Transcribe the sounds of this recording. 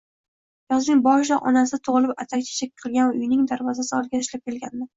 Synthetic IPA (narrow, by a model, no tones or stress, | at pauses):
jɑznɪŋbɒʃlaʔɒ̰nasɪt̪ʰoʁlˠɪpat̪ʰakʲt͡ʃʰḁt͡ʃʰak̚ʲqʰɨlˠɡʲanʊjnɪŋd̪aɾvɒzasɪɒlɪɡʲaɪʃlap̚kʲʰe̞lɡʲanmɪ